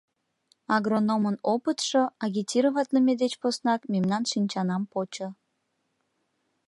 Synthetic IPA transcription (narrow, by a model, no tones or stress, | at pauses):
ɑɣronomənopət̪ʃoɑɣʲitʲiɾəβɑt̪ləmed̪et͡ɕposnɑkmemnɑnʃinʲt͡ɕɑnɑmpot͡ɕo